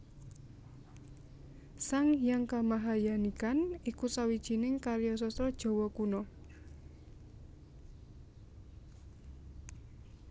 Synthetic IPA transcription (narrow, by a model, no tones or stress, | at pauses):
saŋjaŋkamaɦajanikanikusawid̥ʒ̥i̤nɪŋkaɾjɔs̬ɔst̪ɾɔd̥ʒ̥ɔ̤wɔkunɔ